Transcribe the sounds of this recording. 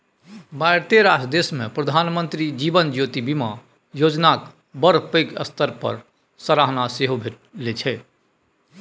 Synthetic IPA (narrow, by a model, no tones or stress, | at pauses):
baɪɾt̪eɾaːsd̪eːsmẽpɾəd̪ʱaːnmə̃nt̪ɾid͡ʒiːbənd͡ʒjoːt̪ibima | joːd͡ʒnak | bəɾpəɪkə̰st̪ʰəɾpə̰ɾ | səɾaɦnaseɦobʱeʈ | let͡ʃʰɛ